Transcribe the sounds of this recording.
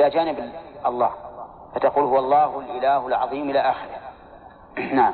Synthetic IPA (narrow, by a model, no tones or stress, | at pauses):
ad͡ʒaːnɪbʔɑlˤːɑ̰ːh | fat̪aquːlhʊwɑlˤːɑːhlʔɪlaːhʊlʕɑðˤiːmʔɪlaʔaːxɪɾɪh | naʕam